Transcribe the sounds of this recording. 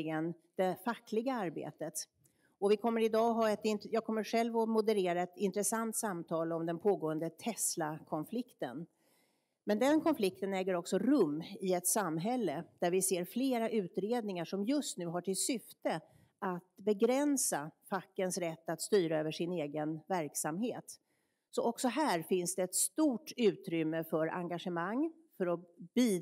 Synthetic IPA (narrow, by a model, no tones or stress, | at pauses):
ɪɡən | d̪̥ɛfakːlɪɡaaɾbḛːt̪ət̪ | ɔvɪkʰɔmːəɾɪd̪ɑːɦɑːɛt̪ɪnjɑːɡ̚kʰɔmːəɾɧɛlvɔmʊd̪əɾeːɾaɛt̪ɪnt̪ɾəsant̪samt̪ʰɑːlɔmd̪ɛnpʰoːɡoːənd̪ət̪ʰɛslakʰɔnflɪkt̪ə̰n | mɛnd̪ɛnkʰɔnflɪk̚t̪ənɛːɡəɾɔksɔɾɵmːɪɛt̪samːɦɛlːəd̪̥æɾvɪseːɾfleːɾaʔʉ̟ːt̪ɾeːd̪̚nɪŋaʂɔmjɵst̪nʉ̟ːɦaʈʰɪlsʏft̪ə | at̪bɛɡɾɛnsafakːənsɾɛt̪ːat̪st̪yːɾaøːvəʂɪneːɡənvæɾksamɦeːt̪ | sɔʔɔksɔɦæːɾfɪnsd̪ɛɛt̪st̪uːʈʉ̟ːt̪ɾʏmːəfœɾa̰ŋɡaʂəmaŋː | fœɾɔb̥iː